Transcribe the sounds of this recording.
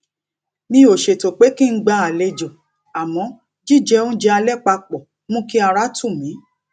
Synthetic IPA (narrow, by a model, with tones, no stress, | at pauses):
mĩ˧˦o˨ʃe˨to˨k͡pe˨˦kĩ˦ŋ̩˦ɡ͡ba˧˦a˨le˧d͡ʒo˨ | a˨mɔ̃˨˦ | d͡ʒi˦˨d͡ʒɛ˧˦ũ˦d͡ʒɛ˦˧a˧lɛ˦˨k͡pa˧k͡pɔ˨ | mũ˦ki˦a˧ɾa˦tũ˦˨mĩ˨˦